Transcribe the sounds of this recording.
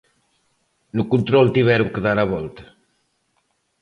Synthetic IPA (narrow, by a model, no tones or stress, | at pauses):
nukunt̪ɾɔlˠt̪iβɛɾuŋkəðaɾaβɔlt̪ə̥